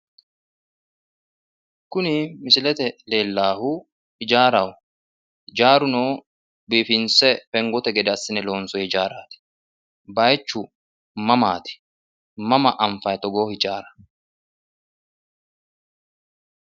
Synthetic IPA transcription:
kʊnɪmɪsɪlɛt̪ɛle̞ːlːaːhʊ | hɪd͡ʒaːɾɐw | hɪd͡ʒaːɾʊnoː | biːfɪnsɛfɛŋɡɔt̪ɛɡɛd̪sːɪnɛlo̞ːnsɔhɪd͡ʒaːɾaːt̪ɪ̥ | bɐjt͡ʃːʊ | mɐmaːt̪ɪ̥ | mɐmɐʔɐɱfɐjt̪ɔɡoːhɪd͡ʒaːɾɐ

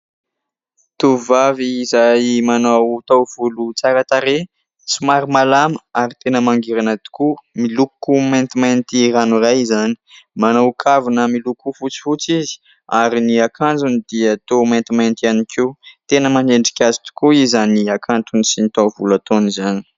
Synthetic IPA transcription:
t̪uvaviːzajmanawt̪awv̥ulut͡saɾət̪aɾe | sumaɾimalaməaɾit̪enəmaŋɡiɾanət̪u̥kumilukumant̪imajnt̪iɾanurajzani̥manawkʰavunəmilukufut͡si̥fut͡sizi̥ | aɾiniakʰand͡zunid̪̥iət̪omajnt̪imajnt̪ianiket̪enəmaneɳɖ͡ʐikʲazit̪u̥kuizaniakʰant̪unisinit̪awvulat̪onizani̥

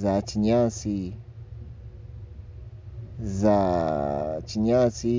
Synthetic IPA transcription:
zat͡ʃiɲãsi | za | t͡ʃiɲasi

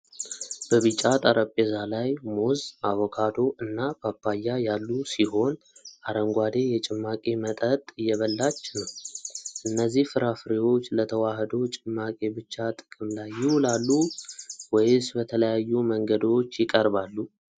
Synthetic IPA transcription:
b̥əβɨt͡ʃʼːat̪ʼaɾʔəpʼːezalajmozaβɔkʰad̪o̞ʔɨnːabapːajːajalːusiɦo̞n | ʔaɾəŋɡʷad̪e̞jɛt͡ʃʼɪmːakʼe̞mət̪ʼət̪ʼɨjːɛβəlːat͡ʃːnəwʔɨnːəzːihfɨɾafɾiwo̞t͡ʃːlət̪ʰəwahd̪ot͡ʃʼɪmːakʼe̞bɨt͡ʃːat̪ʼɨ̥kʼɨmlajːɪwʊlalːuwɔjɪsbət̪ʰələjajːuməŋɡəd̪o̞t͡ʃːjɪkʼəɾbalːu

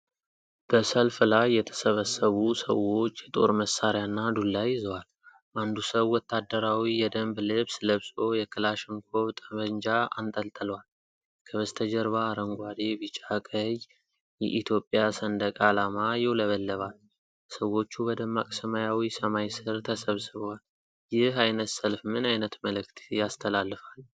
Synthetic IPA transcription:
b̥əsəlflajːɛt̪ʰə̥səβəsːəβusə̰wo̞t͡ʃːjɛt̪ʼo̞̰ɾməsːaɾjanːad̪ulːajzəwal | ʔand̪usəβwɔt̪ʰːad̪ːəɾawijɛd̪əmblɨbsləβsʼo̞jɛkʰɨlaʃɪŋkʰo̞βt̪ʼəβəɲd͡ʒaa̰nt̪ʼəlt̪ʼəlwal | kʰəβəst̪ʰəd͡ʒəɾβaːɾəŋɡʷad̪ebɨt͡ʃʼakʼəj | jɛ̰ʔit̪ʰjo̞pʼjasənd̪əkʼalamajɪwləβəlːəβal | səwo̞t͡ʃːubəd̪əmːakʼsəmajawisəmajsɨɾt̪ʰəsəβsɨβwal | jɪhajnət̪səlfmɨnajnət̪məlɨkt̪ʰjast̪ʰəlalːɨfal

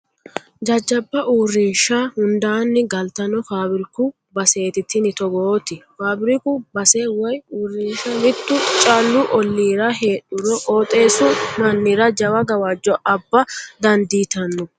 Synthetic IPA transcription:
d͡ʒɐd͡ʒːɐbːɐʔuːrːɪʃahʊnd̪aːnːɪɡɐlt̪ɐnɔfaːbɪɾɪkʊ | bɐse̞ːt̪ɪt̪ːɪnɪt̪ɔɡoːt̪ɪfaːbɪɾɪkʊbɐseːwɔjuːrːɪnʃɐmɪt̪ːʊt͡ʃʼɐlːʊʔɔlːiːɾɐɦe̞ːɗʊɾɔʔʼoːt̪ʼe̞ːsʊmɐnːɪɾɐd͡ʒɐwɐɡɐwɐd͡ʒːɔʔɐbːɐd̪ɐnd̪iːt̪ɐnːɔ

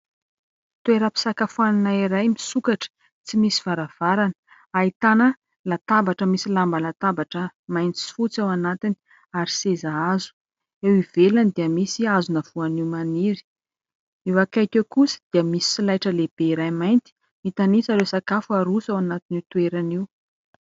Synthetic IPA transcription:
t̪ueɾəpi̥sakafuaninaiɾajmisukaʈ͡ʂə̥ | t͡simisi̥v̥aɾav̥aɾanə̥ | ait̪anə | lat̪abaʈ͡ʂəmisilambəlat̪abaʈ͡ʂəmajnt͡s̪i̥fut͡sawanat̪ini̥ | aɾisezaazu̥ | ewivelanid̪iəmisiazunəv̥uaniwmaniɾi̥ | iwakajkewkusi̥d̪̥iəmisi̥silajʈ͡ʂəleb̥eiɾajmajnt̪i̥ | mit̪anisalesakafuaɾusawanat̪iniwt̪ueɾaniw

